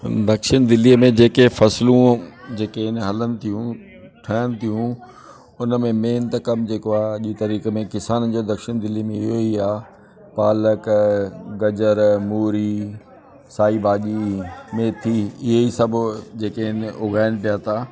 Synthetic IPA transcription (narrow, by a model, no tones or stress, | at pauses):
d̪ɐkʃɪñd̪ɪliːəmẽd͡ʑeːkefɐslũd͡ʑeːkeɪnɦɐlənɪ̆t̪ʰijũ | ʈʰɐːjənɪ̆t̪ʰijũ | ʊnəmẽmeːnt̪ɐkɐmd͡ʑeːkoaːʄiːt̪ɐɾiːkemẽkɪsaːnəd͡ʑod̪ɐkʃɪñd̪ɪliːmẽɪɦoiaː | paːlək | ɡɐd͡ʑəɾmuːɾi | saːibaːʄimẽːt̪ʰiɪɦeisɐbʱd͡ʑeːkeɦɪnʊɡʱaːɪñɪ̆p̬ijaːt̪ʰaː